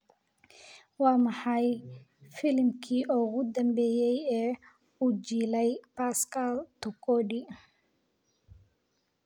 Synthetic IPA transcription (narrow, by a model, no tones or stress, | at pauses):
wɑːmɑħɑj | fɪlmkʰiːʔʊɣʊd̪ɐmbɛːjɛjɛː | uːt͡ʃiːlɛjpaskʰalt̪ʊkʰɔɖi